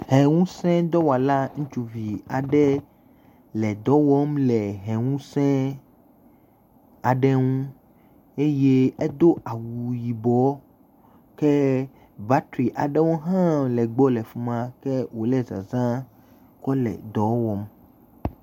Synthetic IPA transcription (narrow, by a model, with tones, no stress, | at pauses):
hɛ̃˨ŋũ˦sɛ̃˦d̪ɔ˦wa˨la˦ŋũ˦t͡ʃu˨vi˨a˨ɖɛ˦ | lɛ˨d̪ɔ˦wɔ˦mlɛ˨ɦɛ̃˨ŋũ˦sɛ̃˦ | a˨ɖɛ˦ŋũ˦ | e˦je˦ɛ˦d̪o˦ʔa˨wu˨ji˨bɔ˦ | kɛ˦ | ba˦t̪ɾi˨ʔa˨ɖɛ˦wo˦ɦã˦lɛ˨ɡ͡bɔ˦lɛ˨fu˦mã˦kɛ˦wo˨lɛ˦za̰˨zã˦ | kɔ˦lɛ̰˨d̪ɔ˨˦wɔ˦m